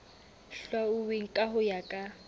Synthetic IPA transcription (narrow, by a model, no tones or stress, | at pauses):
ɬwaʊbeŋ̩kʼaɦʊjakʼa